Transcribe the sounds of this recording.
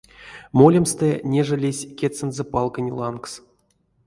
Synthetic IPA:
molʲemst̪ənʲeʐəlʲesʲkʲet̪sɨnzəpɑlˠkənʲlˠɑnks

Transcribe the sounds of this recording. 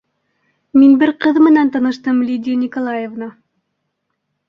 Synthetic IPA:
minbɘɾqɤðmɘ̆nænt̪ɑnɤ̆ʃt̪ɤmlʲid̪ʲinʲikolˠajevnɑ

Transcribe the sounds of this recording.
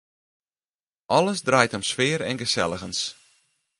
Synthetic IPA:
ʔɔləsdrajthəmswɪːɾɛnɣəsɛ̰lˠəɣəns

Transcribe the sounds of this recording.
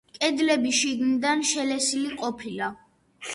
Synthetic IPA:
kʼɛd̪lɛbiʃiɡnid̪anʃɛlɛsiliqʼɔpʰila

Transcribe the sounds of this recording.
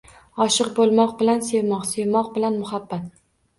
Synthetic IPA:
ɒʃɨqbolˠmɒqbɪlanse̞vmɒqse̞vmɒq̚bɪlanmʊhabːat̪̚

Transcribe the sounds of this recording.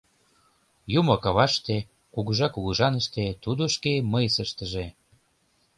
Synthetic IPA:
jumokɑβɑʃt̪e | kuɣuʒɑkuɣuʒɑnəʃt̪et̪ud̪oʃkeməjsəʃt̪əʒe

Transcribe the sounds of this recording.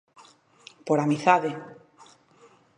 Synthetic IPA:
poɾamiθaðe

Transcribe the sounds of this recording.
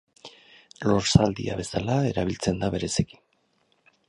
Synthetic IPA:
lo̞ɾsald̪ḭa̰βe̞salae̞ɾaβ̞ilt͡se̞nd̪aβe̞ɾe̞seki̥n

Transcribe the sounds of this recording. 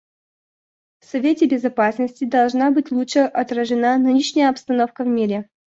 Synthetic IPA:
fsɐvʲetʲɪbʲɪzɐpasnəsʲtʲɪd̪ɐlˠʐnabɨtʲlˠutʂɨʔɐt̪ɾəʐɨnanɨnʲiɕnʲɪjəɐpst̪ɐno̞fkəvmʲiɾʲɪ

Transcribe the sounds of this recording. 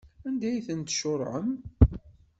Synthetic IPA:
ænd̪æjθənt̪ʃʊɾˤʕə̰m

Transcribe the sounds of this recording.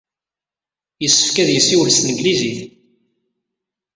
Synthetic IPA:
jəsːə̥fkæðjəsːiwəlst̪nəɡliziθ

